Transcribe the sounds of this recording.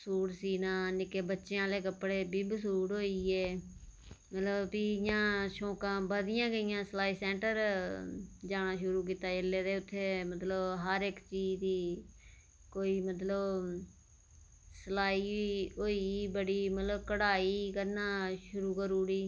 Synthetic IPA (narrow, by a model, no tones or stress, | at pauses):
suːɽsiːnaːnɪkeːbətːʃeãːleːkəpːɽeːbiːbəs̬uːɽɦoːiːeː | mət̪ləbpiːjãːʃõːkãːbəd̪ɪjãːɡəɪjãːsəlaːiːsɛ̃ːɳʈəɾ | d͡ʒaːnaːʃʊɾuːk̬iːt̪aːd͡ʒəlːeːd̪eːʊt̪ʰːeːmət̪ləbɦəɾɪkt͡ʃiːd͡ʒd̪iː | koːiːmət̪ləb | səlaːiːɦoːiːbəɽiːmət̪ləbkəɽaːiːkəɾnaːʃʊɾuːkəɾuːɽiː